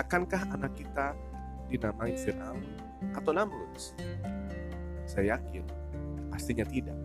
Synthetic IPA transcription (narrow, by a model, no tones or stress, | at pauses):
akankahanakːit̪a | dinamainfirna̰l | at̪awlamlus | sajajakɪn | past̪iɲat̪idaʔ